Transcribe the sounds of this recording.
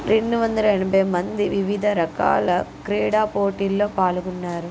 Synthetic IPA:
ɾeɳːuʋɐnd̪ɐlɐɛnɐbʱɐjmɐnd̪iʋiʋid̪ʱɐɾɐka̰ːlɐkɾɛːɽaːpoːʈiːlːo̞ːpaːluɡunːaːɾu

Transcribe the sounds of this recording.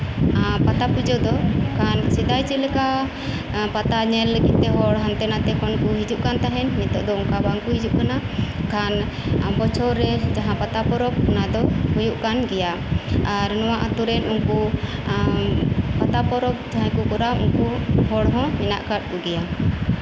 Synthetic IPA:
pat̪apud͡ʒɔd̪ɔkansid̪ajt͡ʃɛlɛka | pat̪aɲɛlːəɡit̪̚ːɛɦɔɽɦant̪ɛnat̪ɛkɔnkuɦid͡ʒuʔkant̪aɦɛnmit̪ɔ̰ʔd̪ɔuŋkabaŋkuɦid͡ʒuʔkanakan | ambɔt͡ʃʰɔɾɛd͡ʒaɦãpat̪apɔɾɔp̚unad̪ɔhujuʔkanɡɛja | aɾnɔwaʔat̪uɾɛnunku | pat̪apɔɾɔp̚d͡ʒaɦãkukɔɾaṵŋkuɦɔɽɦɔ̃mina̰ʔkaʈ̚kuɡɛja

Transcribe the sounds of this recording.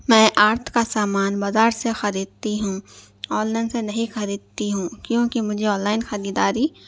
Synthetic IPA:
mɛ̃ːʔaːɾt̪ʰkasaːmaːnbaːzaːɾsexɐɾiːd̪̚t̪iɦũ | ɔːnlaːɪnsenɐɦĩxɐɾiːd̪̚t̪iɦũkjõːkimʊd͡ʒʱeɔ̃ːnlaːɪnxɐɾiːd̪aːɾi

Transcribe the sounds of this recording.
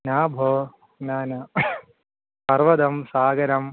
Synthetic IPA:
naːbʱoː | naːnɐ | pɐɾʋɐd̪ɐmsaːɡɐɾɐm

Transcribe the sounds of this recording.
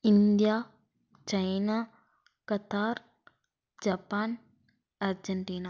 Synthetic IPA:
ind̪ija | t͡ʃɐjnaː | kɐt̪aːɾ | d͡ʒaːpaːn | ɐɾd͡ʒɐɳʈiːna

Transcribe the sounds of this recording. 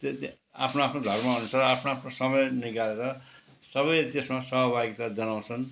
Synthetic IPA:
t̪ | a̰pʰnoapʰnod̪ʱʌrmaɦunut͡sʰʌʌapʰnoapʰnosʌmʌjniɡaleɾʌ | sʌβʌjlt̪esmasʌɦʌbʱaɡit̪ad͡zʌnaw̃t͡sʰʌn

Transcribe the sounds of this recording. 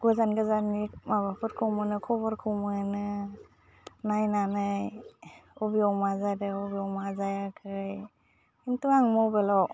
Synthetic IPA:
ɡ̥uzanɡɯzanːimabapʰɯɾkʰɯwmɯnɯkʰɔbaɾkʰɯwmɯnɯ | najnanɯj | ɔbiɔwmazajdɯɔbiɔwmazajakʰɯj | imtuaŋmɔwbelɔ

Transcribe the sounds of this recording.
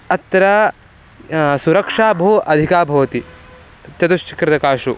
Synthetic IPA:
ɐt̪ːɐɾɐ | suɾɐkʂaːbʱoʔɐd̪ʱikaːbʱɐʋɐt̪i | t͡ʃɐt̪uʃt͡ʃi̥kɾɪt̪ɐkaːʃu

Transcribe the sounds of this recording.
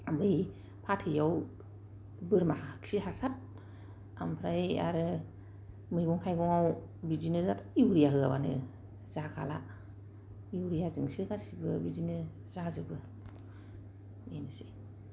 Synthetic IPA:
ambɯj | pʰatʰɯjaw | bɯɾmaɦakʰsihasat̚ | a̰mpʰɾaja̰ɾɯ | mɯjɡɔŋkʰajɡɔŋaw | bizinɯzatʰiwɾijaɦɯa̰banɯ̰ | z̥akʰala | iwɾijazɯŋsɯkasibɯbizinɯ | zazɯbɯ | menɯsɯj

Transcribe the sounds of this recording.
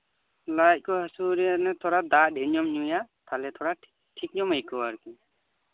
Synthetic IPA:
lajt̚ˀkɔɦasuɾinɛt̪ʰɔɾad̪adeɲɔmɲujat̪ʰalɛt̪ʰɔɾa | ʈʰik̚ɲɔməjkɔaɾki

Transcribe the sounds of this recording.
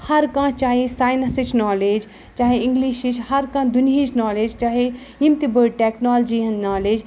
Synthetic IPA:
hɐɾkãːt͡ʃaːɦesaːjnɐsɪt͡ʃnaːleːd͡ʒ | t͡ʃaːɦeɪ̃ŋɡliːʃit͡ʃhɐɾkãːd̪ʊnijit͡ʃnaːleːd͡ʒt͡ʃaːɦe | ɪmt̪ibəɽʈeːknaːld͡ʒiɐ̃nnaːleːd͡ʒ

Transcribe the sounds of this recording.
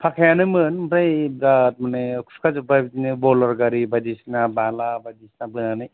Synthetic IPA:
pʰakʰajanɯmɯnmtajbɾat̚manekʰu̥skʰad͡ʒubabitinɯbɔlɔɾɡaɾibadisnabalabajdisnabɯnanɯj

